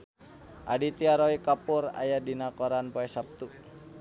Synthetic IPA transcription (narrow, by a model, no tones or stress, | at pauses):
ʔa̰dit̪iaɾoikapuɾa̰jadinakoɾanpoɛsap̚t̪u